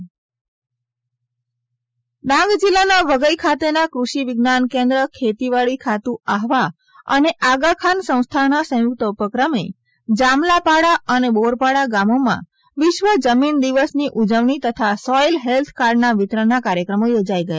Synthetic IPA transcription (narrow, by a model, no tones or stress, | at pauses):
ɗãŋɡd͡ʒilanaʋəɡəjkʰat̪enakɾuʃiʋɪɡnankẽnd̪ɾəkʰet̪iʋaɭikʰat̪ũaɦʋa | ə̰neʔaɡakʰansə̃w̃st̪ʰanasəjuk̚t̪əupəkɾəme | d͡ʒamlapaɽaəneboɾpaɽaɡamomã̰ | ʋɪʃʋəd͡ʒəmind̪iʋəsniʔud͡ʒəʋɳit̪ət̪ʰasɔjlɦelt̪ʰkaɾɖnaʋɪt̪ɾənːakaɾjəkɾəmojod͡ʒaiɡəja